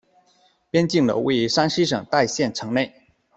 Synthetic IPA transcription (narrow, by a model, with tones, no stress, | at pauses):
pjɛ˥nt͡ɕi˥˩ŋlə̰˨˩wḛ˥˩ɪ˧˥ʂa˥nɕi˥ʂ̬ɤ˨˩ŋt̪a˥˧ɪɕjɛ˥˩nʈ͡ʂʰɤ˧˥ŋne˥˩ɪ